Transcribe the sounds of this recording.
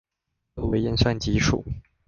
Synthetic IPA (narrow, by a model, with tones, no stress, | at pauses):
we˧˥ɪji˥˧nʂa˥˩nt͡ɕi˧˥ʂṵ˨˩˦